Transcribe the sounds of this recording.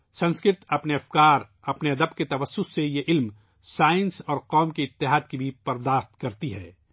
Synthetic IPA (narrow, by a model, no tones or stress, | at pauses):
sɐ̃nskɾɪt̪ɐpneɐfkaːɾ | ɐpneɐd̪əbket̪ɐʋəsːʊsːejeʔɪlm | saːɪ̃nsɔːɾqɔːmkeɪt̪ːɪɦaːd̪kibʱipɐɾd̪aːxt̪kɐɾt̪iɦɛː